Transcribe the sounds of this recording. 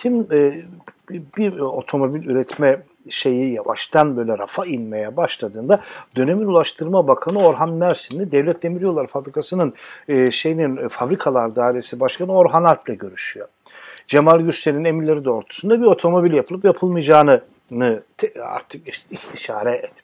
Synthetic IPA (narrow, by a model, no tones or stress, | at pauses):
t̪ʰimː | bio̞t̪ʰo̞mo̞bilʲyɾɛt̪ʰmɛ | ʃe̞jijava̰ʃt̪ʰanbø̞jlʲɛɾa̰fainmejɛbaʃlˠad̪ɯːnd̪ad̪ø̞ne̞minulˠaʃt̪ʰɯɾmabakʰanɯo̞ɾɦanmæɾsinnid̪ɛvlʲɛt̪̚ʰd̪e̞miɾʲijo̞lˠaɾfabɾikʰasɯnɯnːʃe̞jininfabɾikʰalˠaɾd̪aːilʲesibaʃkʰanɯo̞ɾɦanaɾplʲɛɟø̞ɾyʃyjo̞ | d͡ʒemalʲˠɟyt͡ʃt̪ʲeɾinine̞minlʲe̞ɾid̪ɛo̞ɾt̪ʰu̥sund̪abio̞t̪ʰo̞mo̞bilʲjapʰɯlˠɯpjapʰɯlˠmɯjd͡ʒaːnɯ | nɯt̪ʰa̰ɾt̪ʰɯkist̪ʰiʃaːɾɛɛt̪